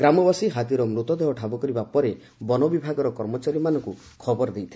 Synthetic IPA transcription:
ɡɾamɔbasiɦad̪iɾɔmɾut̪ɔd̪eɦɔʈʰabɔkɔɾibapɔɾe | bɔnɔbibʱaɡɔɾɔkɔɾmɔt͡ʃaɾimanɔŋku | kʰɔbɔɾd̪ejt̪ʰi

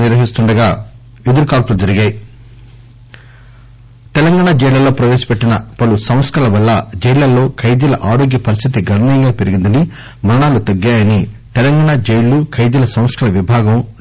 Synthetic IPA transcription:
niɾʋɐɦist̪uɳɖɐɡaː | ed̪uɾukaːlpulud͡ʒɐɾiɡaːji | t̪ɛlɐŋɡaːɳad͡ʒɛjlɐlːo̞ːpɾɐʋeːʃɐ̥peʈːinɐpɐlusɐm̃ɐskɐlɐʋɐlːɐd͡ʒɛjlɐlːo̞ːkʰɐjd̪ɐlɐʔaːɾo̞ːɡjɐpɐɾist̪ʰit̪iɡɐɳɐnijɐŋɡaːpeɾiɡind̪ɐni | mɐɾɐɳaːlut̪ɐɡːaːjɐnit̪ɛlɐŋɡaːɳad͡ʒeɛjlːukʰɐjd͡ʒ̪ɐlɐsɐ̃m̃ɐsʈɐlɐʋibʱaːɡɐm

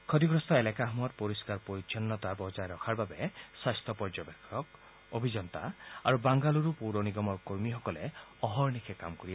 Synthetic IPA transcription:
kʰɔd̪iɡɾɔst̪ʰɔelakaɦmɔt̪̚poɾiskaɾpoɾit͡ʃʰɔnːɔt̪abɔd͡ʒaeɾɔkʰaɹbabeswast̪ʰɔpɔɹd͡ʒɔbekʰːɔk | obʱid͡ʒɔnt̪a̰a̰ɾubaŋɡaluɾupuɾɔniɡɔmɔɹkoɹmixɔkɔleɔɦɔɹnikʰeka̰mkɔɾia

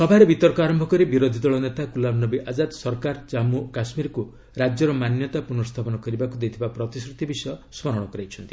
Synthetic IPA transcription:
sɔbʱaɾebit̪ɔɾkɔaɾɔmbʱɔkɔɾibiɾod̪ʱid̪ɔɭɔnet̪akulabnɔbiʔad͡ʒad̪sɔɾkaɾd͡ʒamukasmiɾku | ɾad͡ʒjɔɾɔmanjɔt̪apunɔst̪ʰapɔnɔkɔɾibakud̪ejt̪ʰibapɾɔt̪isɾut̪ibisɔjɔsmɔɾɔɽ̃ɔkɔɾajt͡ʃʰɔnt̪i

